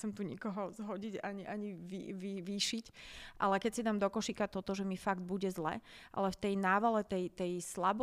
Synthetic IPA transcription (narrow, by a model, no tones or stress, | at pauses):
t͡sɛmt̪uɲikɔɦɔzɦɔɟiɟaɲiʔaɲiʋiʋiʋiːʃicʔa̰lɛkɛcsid̪aːmd̪ɔkɔʃikat̪ɔt̪ɔʒɛmifaɡd̪̚buɟɛzlɛ̰ʔa̰lɛft̪ɛjnaːʋalɛt̪ɛjt̪ɛjslab